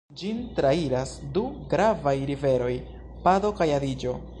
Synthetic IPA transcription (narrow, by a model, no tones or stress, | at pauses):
d͡ʒintɾaiɾasduɡɾavajɾive̞ɾo̞j | pado̞kajadid͡ʒo̞